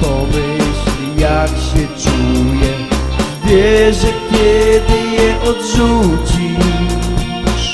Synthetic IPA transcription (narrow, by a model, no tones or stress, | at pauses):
pɔmɪɕlijakɕɛt͡ʂujɛ | vʲjɛʐɛkʲɛd̪ɪjɛʔɔd̪zud͡ʑi